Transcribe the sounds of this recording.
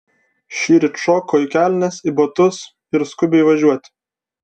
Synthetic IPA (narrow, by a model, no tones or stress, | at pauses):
ʃʲiːɾʲɪʃoːkoːɪkʲæːˑlʲnʲɛsibot̪ʊs | ɪɾskʊbʲɛɪʋɐʒʲuɔt̪ʲ